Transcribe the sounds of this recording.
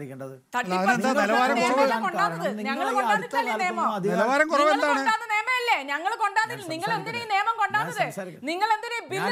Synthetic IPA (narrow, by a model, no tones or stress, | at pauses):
t̪ɐʈːipːnd̪ɐɐlɐʋaːɾɐmurɐʋɐːɐmkoɳɖaːnːɐðɨnɲɐŋːɐɭkoɳɖaːnːitːɐlːijɐneːmɐlɐʋaːɾɐmkurɐʋeɐnd̪aːoɨɖaːnːɨneːmɐjɐlːeɲɐŋːɐɭko̞ɳɖaːnːilniŋːɐɭe̞nd̪inejneːmɐmkoɳɖaːnːɐðɨ | niŋːɐɭe̞nd̪inebi